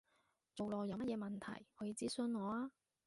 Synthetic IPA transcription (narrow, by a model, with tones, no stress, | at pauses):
t͡so˨wlɔː˨˧jɐ˨˧wmɐ˥t̚jɛː˨˧mɐ˨nt̪ʰɐ̰˨˩jɔː˨˧˥jiː˨˧t͡siː˦˥sɵ˧˥nŋɔː˨˧aː˧˥